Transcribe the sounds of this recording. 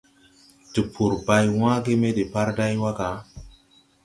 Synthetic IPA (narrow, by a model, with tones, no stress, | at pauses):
tu˨pʰu˨ɾba˦jw̃ã˦ɡe˦me˦de˨pa˦ɾda˦jwa˦ɡa˨˦